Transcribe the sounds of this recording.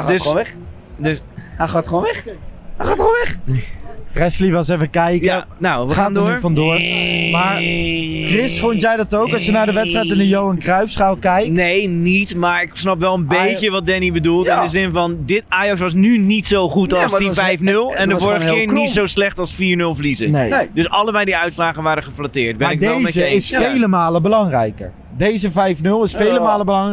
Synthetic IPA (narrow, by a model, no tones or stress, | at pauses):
dø | d | aːtoɛ | aːtoɛχ | krɛsliʋɑsefəkɛjkjəanawʋəχaːndʊːɹfɑndʊːərmaːɹkrɪsfɔntjɛjdɑtowkɑsjənaːɹdəʋɛtstrɛjtɪndəjowənkrœɥfsχawkɛjknejnitmaːɹɪksnɑpʋɛlˠəmbejcəʋɑt̚dɛnibədulˠtɪndəzɪnvɑndɪtaːjɑksʋɑs̬nynitsowχutdivɛjfnɵlˠɛndəvoːɹɾəχəkɪːɹnitsowslɛχtɑlˠsfiːɹnɵlˠvəlizənejdɵsɑlˠəmɛjdiœɥtslaːχənʋaːɾdəχəflatɪːɹt̚bɛaɪkdejzəɪsfejləmaːləbəlɑŋrɛ̰jkə̰ɹ | dejzəvɛjfnɵlˠɪsfejləmaːləbəlɑŋ